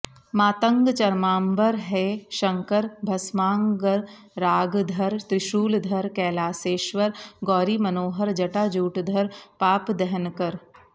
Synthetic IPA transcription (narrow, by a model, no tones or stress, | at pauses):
maːt̪ə̃ŋɡt͡ʃɐɾmaːmbəɾɦɛːʃɐ̃ŋkəɾbʱɐsmaːŋɡəɾ | ɾaːɡd̪ʱɐɾt̪ɾɪʃuːld̪ʱɐɾkɛːlaːseːʃʋəɾɡɔːɾimɐnoːɦəɾd͡ʒɐʈaːd͡ʒuːʈd̪ʱəɾpaːpd̪ɛɦənkəɾ